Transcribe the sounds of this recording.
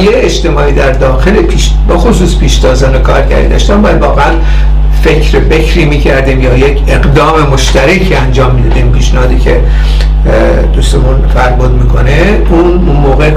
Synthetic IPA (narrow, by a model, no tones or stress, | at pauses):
jeed͡ʒt̪e̞mɒːiːd̪æɾd̪ɒːxe̞lepʰiʃ | bexosuːspʰiːʃt̪ɒːzɒːnokʰɒ̰ːɾɟæ̰ɾḭd̪ɒ̰ːʃt̪æmbæjælvɒːɣeæn | fecʰɾefekʰɾiːmiːcʰæɾd̪iːmjɒːjecʰe̞ɡd̪ɒːme̞mo̞ʃt̪æɾekʰiænd͡ʒɒːmːiːd̪ɒd̪impiːʃnehɒːd̪icʰḛ | d̪ust̪emunbæɾbod̪miːkʰo̞ne | un | unmoːɣe